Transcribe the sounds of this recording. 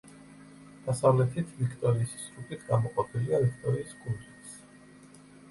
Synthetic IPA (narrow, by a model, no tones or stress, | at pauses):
d̪̥asavlɛt̪ʰit̪ʰvikʰt̪ʼɔɾiːssɾupʼit̪ʰɡamɔqʼɔpʰiliavikʰt̪ʼɔɾiːskʼult̪ɛs